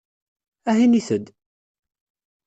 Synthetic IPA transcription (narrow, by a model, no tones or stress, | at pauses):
æɦiniθəd̪